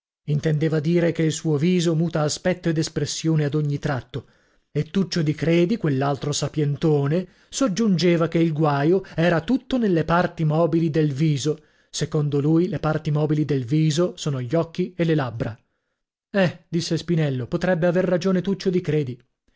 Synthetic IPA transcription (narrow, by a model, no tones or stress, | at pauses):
int̪end̪eːvad̪iːɾekeilsuːoviːzomuːt̪aːspɛt̪ːoed̪espɾesːjoːnead̪oɲːit̪ɾat̪ːo | et̪ːut͡ʃːod̪ikɾeːd̪ikwelːalt̪ɾosapjent̪oːne | sod͡ʒːund͡ʒeːvakeilɡwaːjoɛːɾat̪ut̪ːonelːepart̪imɔːbilid̪elviːzo | sekond̪olujlepart̪imɔːbilid̪elviːzosoːnoʎːɔkːielelabːɾa | ɛd̪̥isːespinɛlːopot̪ɾɛbːeaverːad͡ʒoːnet̪ut͡ʃːod̪ikɾeːd̪i